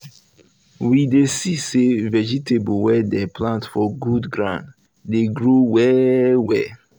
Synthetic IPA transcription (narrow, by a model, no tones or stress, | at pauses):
widesisevɛd͡ʒitʰebowɛdɛplãntfɔɡudɡɹã̰nd | deɡɹowɛwɛ̰